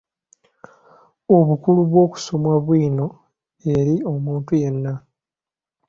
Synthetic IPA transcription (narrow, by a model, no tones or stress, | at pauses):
o̞βukuluβwo̞ːku̥so̞mwaβwiːno̞ | e̞ɾio̞muːntuje̞nːa